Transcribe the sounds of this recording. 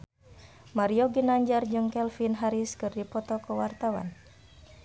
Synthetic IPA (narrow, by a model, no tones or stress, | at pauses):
maɾiɔɡinaɲd͡ʒard͡ʒɨŋkɛlfinɦaɾiskɨrdipɔt̪ɔkəwart̪awa̰n